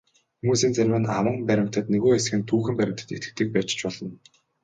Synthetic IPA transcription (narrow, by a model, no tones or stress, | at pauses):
xumuːsiːnt͡sæɾʲwɘ̆nawə̆mpæɾʲɪ̆m̥t̪ə̆t̪neɣoːes̆xɘ̆nt̪ʰuːxɘ̆mpæɾʲɪ̆m̥t̪ʰə̆t̪ḛt̪ɡɘ̆k̚t̪ɘ̆k̚pæːt͡ɕ̆t͡ɕpɔɮɞ̆n